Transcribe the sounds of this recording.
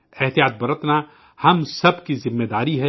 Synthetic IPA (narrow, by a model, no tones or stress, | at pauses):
ɛɦt̪ijaːt̪̚bɐɾət̪na | hɐmsɐbkizɪmːed̪aːɾiɦɛ